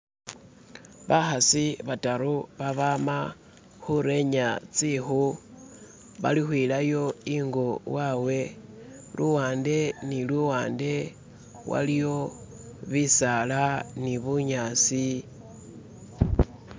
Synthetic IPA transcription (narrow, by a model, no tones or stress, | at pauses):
βaxasiβataɾuβaβama | xuɾe̞ɲat͡sixu | βa̰lixwiːlajo̞iŋɡowawe̞lʔuwaːnde̞nilwuwaːnde̞ | wʔa̰lijo̞ | βisalaniβuɲasi